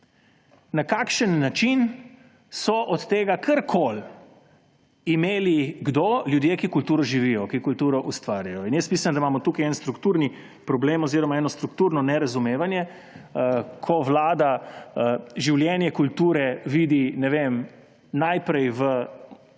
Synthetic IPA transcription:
nakaːkʃənːat͡ʃin | sɔʔɔt̪t̪eːɡakʰɐɾkʰol | imeːliɡd̪oljud̪jeːkikult̪uːɾɔʒiʋijɔkikult̪uːɾɔʔust̪ʋaːɾjajɔinjɛst̪miːsand̪aimaːmɔt̪uːkajɛnst̪ɾukt̪uːɾni | pɾɔbleːmɔziːɾɔmaɛːnɔst̪ɾukt̪uːɾnɔnɛɾazumeːʋanjɛ | kʰɔʋlaːd̪a | ʒiwljɛnjɛkult̪uːɾɛʋiːd̪inɛʋem | najpɾɛjʋə

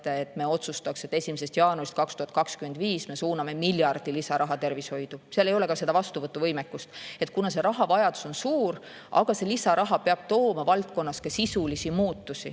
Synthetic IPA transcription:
t̪eet̪ːˑme̞o̞t̪sust̪ɑkset̪ːˑesʲimis̬e̞st̪jɑːnurist̪̚kɑkst̪uhɑt̪̚ˑkɑkskyme̞nd̪viːsme̞suːnɑme̞miljɑrd̪̥ilisɑɾɑɦɑt̪e̞rvisho̞jd̪̥useɑlejo̞le̞kɑse̞d̪ɑvɑst̪uvɤt̪ːˑuvɤjmekːˑust̪e̞t̪̚kunɑse̞ɾɑɦɑvɑjɑd̪̥u̥so̞nsuːr | ʔɑ̰ɡ̥ɑse̞lisɑɾʔɑɦɑpeɑb̥̚t̪o̞ːmɑvɑlt̪̚ko̞nːɑskɑsisulisimuːt̪ːusi

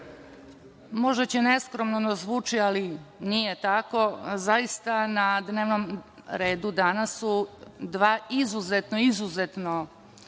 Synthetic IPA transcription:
mo̞ʒet͡ɕene̞skɾomnod̪azʋuːt͡ʃialinijet̪ako̞zaist̪anad̪neːʋnom | ɾe̞ːd̪ud̪anasud̪ʋaizuzet̪noizuzet̪no

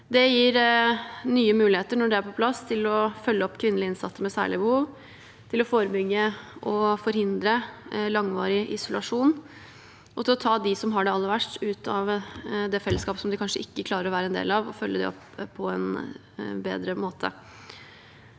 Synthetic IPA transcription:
d̪ɛjiːɾ | nyːəmʉːlɪeːt̪əɳɔɖɛæɾpʰɔpʰlɑst̪ʰɪlɔfœlːəɔpːkʰʋɪnːəlɪɪnsɑt̪ːəɾmɛsæ̰ːɭɪəbəhuːʋ | t̪ʰɪlɔfoːɾəbʏɡːəʔɔfɔɾhɪnd̪ɾəlɑŋʋɑːɾɪʔɪsɔlɑʂuːn | ʔɔt̪ʰɪlɔt̪ʰɑːd̪ɪsɔmɦɑɖɛɑlːəɾʋæʂʈʉːt̪ʰɑʋd̪ɛfɛlːəskɑːpə̥sɔmd̪ɪkʰɑnʂəɪkːəkʰlɑːɾəɾɔʋæːɾəɛnd̪ḛːlɑʋɔ̰fœlːəd̪ɛ̰ɔ̰pʰː | ɔɛn | bḛːd̪ɾəmoːt̪ʰə̰

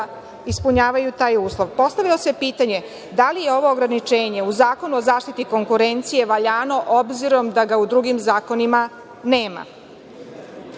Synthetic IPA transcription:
ispuɲaːʋajut̪aːjuːslˠo̞ʋpo̞st̪aʋilose̞piːt̪aɲe̞ | d̪alije̞o̞ʋo̞ːɡɾanit͡ʃeːɲe̞uzaːko̞nuozaːʃt̪it̪iko̞ŋkuɾe̞nt̪sije̞ʋaʎaːno̞ʔobziɾo̞md̪aɡaud̪ɾuɡimzaːko̞nima | neːma̰

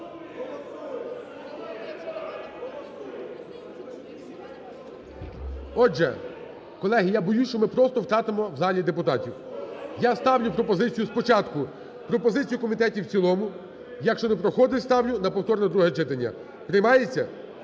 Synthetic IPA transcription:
ɔd͡ʒɛ̰ | kɔlˠɛɦijabɔjust͡ʃɔmɪpɾɔst̪ɔwt̪ɾɑt̪ɪmɔwzɑlʲid̪epʊt̪ɑtʲiwjast̪ɑwnʲʊpɾɔpɔzɪt͡sʲijʊspɔt͡ʃɑt̪kʊ | pɾɔpɔzɪt͡sʲijʊkɔmʲit̪ɛtʲiwt͡sʲilˠɔmʊ | jɐkʃt͡ʃɔnɛpɾɔxɔd̪ɪst̪ɑwnʲʊnɐpɔwt̪ɔrnɛd̪ɾuɦɛt͡ʃɪt̪ɐnʲːɐ̰ | pɾejmɑjet͡sʲːɐ

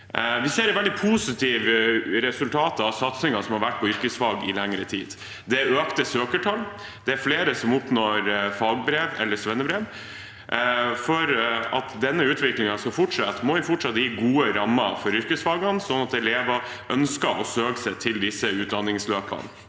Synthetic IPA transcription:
ʋɪseːɾɛʋɛld̪ɪpʰuːsɪt̪ʰiːʋɾɛsʉlt̪ʰɑːt̪ɑʋsɑt̪sɪŋɑsɔmhɑɾʋæʈ̚ːpʰɔʏɾkəsfɑːɡɪ̰lɛŋɾət̪ʰiːd̪ | d̪ɛøːkt̪əsøːkəʈʰɑlː | d̪̥ɛæɾfleːɾəsɔmʊpnoɾfɑːɡbɾeːʋɛ̰lːəsʋɛnːəbɾeːʋ | fɔɾɑt̪d̪ɛnːəʉːt̪ʋɪklɪŋɑskɑfɔʈʂɑt̪ːmɔʋɪfɔʈʂɑt̪ːəjiːɡuːəɾɑmːɑfɔɾʏɾkəsfɑːɡɑnsɔnːɑt̪ɛleːʋɑ | ʔœnskɑɾɔsøːkəsɛt̪ʰɪld̪ɪsəʉːt̪̚d̪ɑnːɪŋsløːpʰɑ̰n

